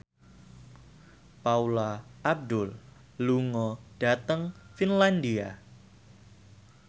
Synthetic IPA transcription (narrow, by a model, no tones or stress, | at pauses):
paulaʔːb̚dʊl | luŋɔd̥a̤t̪əŋfinlandia